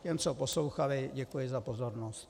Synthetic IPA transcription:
cɛmt͡sopo̞slowxalɪɟɛkujɪzapo̞zo̞ɾnost̪

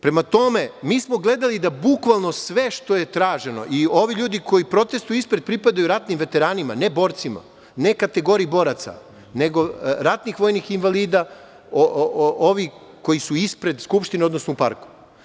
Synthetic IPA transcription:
pɾe̞mat̪o̞me̞miːsmo̞ɡle̞d̪alid̪abukʋalˠno̞sʋe̞ʃt̪o̞je̞t̪ɾaːʒe̞no̞̰ʔio̞ʋiʎuːd̪iko̞jipɾo̞t̪e̞st̪ujispɾe̞d̪̚pɾipad̪ajuɾat̪nimʋe̞t̪e̞ɾaːnima̰ne̞bo̞ɾt̪sima̰ | ne̞kat̪e̞ɡo̞ɾiːbo̞ɾat̪sa̰ | ne̞ɡo̞ɾat̪nixʋo̞jnixinʋaliːd̪a | ooʋi | ko̞jisuispɾe̞d̪skupʃt̪ined̪nosnoupa̰ɾku̥

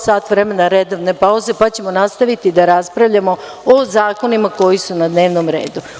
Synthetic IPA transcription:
saːt̪ʋɾe̞menaɾed̪oʋne̞pauzepat͡ɕe̞mo̞nast̪aʋit̪id̪aɾaspɾaʋʎamo̞ | ozaːko̞nimako̞jisunad̪ne̞ːʋnomɾe̞̰ːd̪u

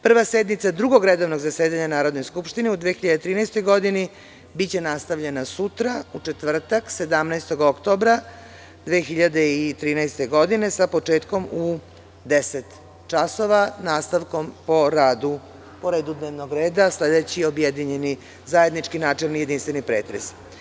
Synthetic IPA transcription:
pr̩ʋased̪nit̪sad̪ɾuɡo̞ɡɾed̪o̞ʋno̞ɡzaseːd̪aɲanaːɾo̞d̪no̞jskupʃt̪ineud̪ʋexiʎad̪et̪ɾiːnɛjst̪o̞jɡo̞d̪ini | bit͡ɕe̞nast̪aʋʎenasut̪ɾaut͡ʂet̪ʋr̩t̪akse̞d̪amnɛjst̪o̞ɡokt̪o̞ːbɾa | d̪ʋeːxiʎad̪eit̪ɾiːnɛjst̪e̞ɡo̞d̪ine̞sapo̞t͡ʂe̞ːt̪ko̞mu | d̪eset̪ | t͡ʃaso̞ʋanaːst̪aʋko̞mpo̞ɾaːd̪u | po̞ɾe̞ːd̪ud̪neːʋnoɡɾe̞ːd̪asleːd̪et͡ɕio̞bjed̪iɲe̞ni | zajed̪nit͡ʃkinaːt͡ʂelnije̞d̪inst̪ʋe̞nipɾeːt̪ɾes

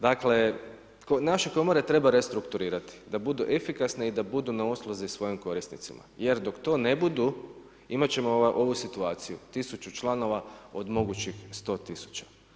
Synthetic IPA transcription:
d̪akle̞ | konaʃeko̞mo̞ɾe̞t̪ɾe̞baɾe̞st̪ɾukt̪uɾiːɾat̪i̥d̪abud̪uʔe̞fikasneid̪abud̪unaoslˠozisʋo̞jimko̞ɾisnḭt̪sḭma̰je̞ɾd̪o̞kt̪o̞ːne̞bud̪u | imat͡ɕe̞moʔo̞ʋusit̪uaːt̪sijṵt̪isut͡ʃut͡ʃlˠano̞ʋao̞d̪mo̞ɡut͡ɕixst̪o̞ːt̪isu̥t͡ɕḁ

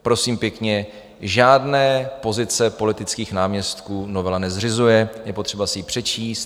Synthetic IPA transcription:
pɾo̞siːmpjɛkɲɛ | ʒaːdnɛːpo̞zɪt͡sɛpo̞lɪt̪ɪt͡skiːxnaːmɲɛst̪kuːnovɛlanɛzr̝ɪzujɛjɛpo̞t̪r̥ɛbasɪjipr̝̥ɛt͡ʃiːst̪̚

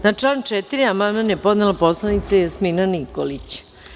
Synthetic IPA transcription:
nat͡ʂlaːnt͡ʃet̪iɾiamand̪manjepo̞d̪nelapo̞slˠanit̪sejasminanikolit͡ɕ

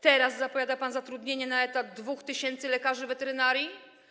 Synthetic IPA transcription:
t̪ɛɾaszapɔvʲjad̪apanzat̪ɾud̪ɲeɲɛnaɛt̪ad̪̚d̪vuxt̪ɘɕɛnt̪sɘlɛkaʐɘvɛt̪ɛɾɘnaɾʲji

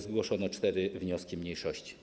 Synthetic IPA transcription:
zɡwɔʂɔnɔt͡ʂt̪ɛɾɘvɲɔskʲimɲejʂɔɕt͡ɕi̥

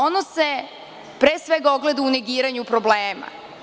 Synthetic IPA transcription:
onose̞ | pɾeːsʋeɡaoɡle̞d̪auneɡiːɾaɲupɾobleːma̰

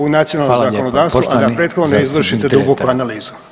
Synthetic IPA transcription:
unat̪sijonalːnozakkonod̪aːʋsʋuʔ̪ad̪apɾeːt̪xod̪noneizʋr̩ʃit̪ed̪uɡokuanaliːzu

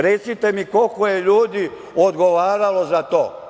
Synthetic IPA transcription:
ɾet̪sit̪e̞miko̞lkoje̞ʎuːd̪i | od̪ɡo̞ʋaːɾalo̞zat̪oː

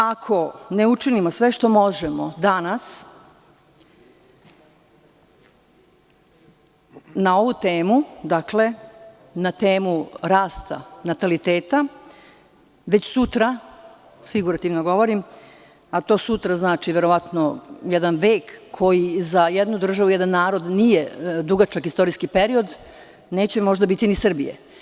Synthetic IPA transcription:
akʰo̞ne̞ut͡ʃinimosʋe̞ʃt̪o̞mo̞ʒemod̪anas | nao̞ʋut̪e̞ːmud̪akle̞ | nat̪eːmuɾaːst̪a̰nat̪alit̪e̞ːt̪a | ʋe̞t͡ɕsut̪ɾa | fiɡuɾat̪iʋnoɡo̞ʋo̞ɾim | at̪o̞ːsut̪ɾaznaːt͡ʃiʋe̞ɾo̞ʋat̪no̞jed̪anʋeːkʰːo̞jizajed̪nud̪r̩ʒaʋuje̞d̪anːaːɾo̞d̪nije̞d̪uɡat͡ʃakist̪o̞ɾiskipe̞ɾio̞d̪ | ne̞ːt͡ɕe̞mo̞ʒd̪abit̪inisr̩bḭjḛ

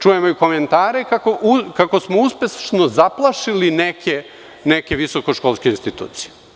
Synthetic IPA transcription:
t͡ʃujemoiko̞ment̪aːɾekakoʔukako̞smouspesʃnozaplˠaʃilinekʰe | neke̞ʋiso̞ko̞ʃkolˠskeinst̪it̪ṵːt̪sije

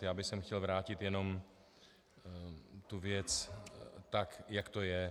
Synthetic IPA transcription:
jaːbɪxsɛmxcɛlvɾaːcɪt̪jɛno̞m | t̪uvɪjɛt͡s | t̪akjakt̪ojɛ

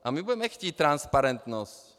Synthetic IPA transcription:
ʔamibuɟɛmɛxcʲiːtt̪ɾanspaɾɛnt̪nosc

